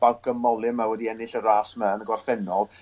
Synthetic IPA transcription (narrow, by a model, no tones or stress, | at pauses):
b̥awɡ̥əmɔlˠɪmawɛdiɛnɪɬəɾaːsməənəɡɔrfɛnɔlˠ